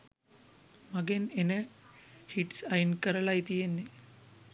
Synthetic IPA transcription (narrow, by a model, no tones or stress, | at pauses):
mɐɡenenə | hiʈsɐjnkəɾəlait̪ijenːe